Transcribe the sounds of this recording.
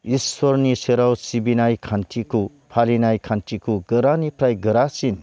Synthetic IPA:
iswɔɾniseɾawsibinajkʰantʰiko | pʰalinajkʰantʰikoɡəɾanipɾajɡəɾasin

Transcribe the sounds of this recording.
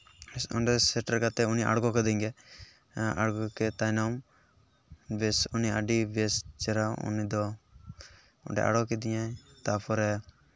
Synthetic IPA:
sʊ̰ɳɖɛsɛʈəɾkat̪ɛʊniʔa̰ɽɡɔkɛd̪ɛ̃ŋɡɛ | a̰ɽɡɔkɛt̪ajnam | besuniaɖibest͡ʃɛɾaṵnid̪ɔ | ʊ̰ɖɛ̰ʔa̰ɽɔkɛd̪ijat̪apʰɔɾɛ

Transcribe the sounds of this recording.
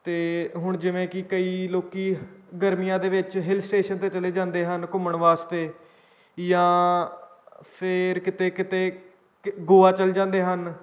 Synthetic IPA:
t̪eːɦʊɳd͡ʒɪʋẽːkɪkəiːloːkiːɡəɾmijãːd̪eːʋɪt͡ʃɦɪlsʈeːʃənt̪eːt͡ʃəleːd͡ʒãːnd̪eːɦənkʊməɳʋaːst̪eː | jãː | pʰɪɾkɪt̪eːkɪt̪eː | ɡoːaːt͡ʃəld͡ʒãːnd̪eːɦən

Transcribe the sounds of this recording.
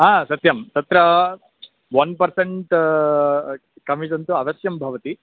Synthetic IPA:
ɦaːsɐt̪jɐmt̪ɐt̪ɾɐ | ʋɐnpɐɾseɳʈ | kɐmit̪ɐnt̪uɐʋɐsjɐmbʱɐʋɐt̪i

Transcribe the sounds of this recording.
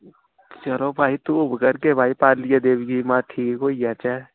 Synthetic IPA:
t͡ʃəlobʱaːit̪ubəɡəɾkebʱaːipaːɾlijad̪eːbɡimaːʈʰiːkkoːijaːt͡ʃɛ

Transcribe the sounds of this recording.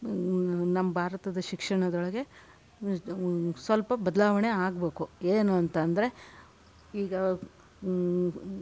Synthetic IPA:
nɐmːbʱaːɾɐt̪ɐd̪ɐʃikʂɐɳɐd̪ɔɭɐɡe̞ | sʋɐlpɐbɐd̪ɐlaːʋɐɳe̞aːɡbe̞ːkueːnuɐnt̪ɐːnd̪ɐɾe̞ | iːɡɐ

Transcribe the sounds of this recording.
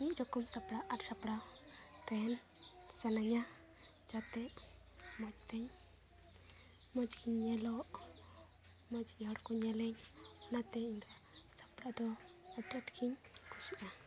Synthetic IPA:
id͡ʒɔkɔmsapɽaʔaʈsapɽat̪ɛnsɛnaɲa | d͡ʒat̪ɛʔ | mɔd͡ʒ̚t̪ɛɲ | mɔd͡ʒkʰiɲːɛlɔʔ | mɔd͡ʒiɔɽkɔɲɛlɛɲɔnat̪ɛɲiɲd̪asḁpɽad̪ɔ | ɔʈiaʈkʰiɲkʰusiʔa

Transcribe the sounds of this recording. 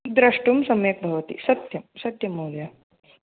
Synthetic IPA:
d̪ɾɐʂʈumsɐmjɐk̚bʱɐʋɐt̪ḭsɐt̪jɐmsɐt̪jɐmuljɐ

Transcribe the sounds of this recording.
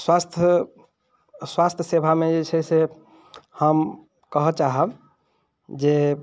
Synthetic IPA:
swast̪ʰ | swast̪ʰjəsebʱamed͡ʒet͡ʃʰɛse | həm | kəɦət͡ʃaɦəb | d͡ʒe

